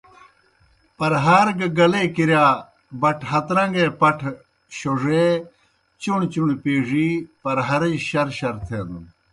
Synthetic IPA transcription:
pɐɾɦaːɾɡɐɡɐlekiɾjaː | bɐʈʰɦɐt̪ɾɐ̃ŋɡeːpɐʈʰ | ɕoʐe | t͡ɕuɳt͡ɕuɳpieːʐipɐɾɦɐɾɐd͡ʑɕɐɾɕɐɾt̪ʰeːd̪un

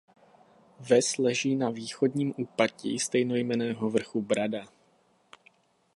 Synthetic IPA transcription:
vɛslɛʒiːnaviːxo̞dɲiːmʔuːpacḭːst̪ɛjno̞jmɛnɛːɦovr̩xubɾada

